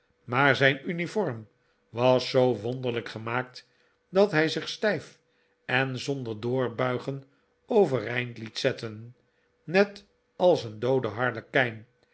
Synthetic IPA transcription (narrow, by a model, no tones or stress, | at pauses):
maːɹzɛjnynifɔɹm | ʋɑsːowʋɔnd̪əʁləkχəmaːk̚t | dɑtɦɛjzɪχstɛjf | ɛnzɔndəɹdʊːɹbœɥχən | owvəɾɛjntlitsɛtən | nɛt | ɑlˠsəndowdəɦɑɹləkɛjn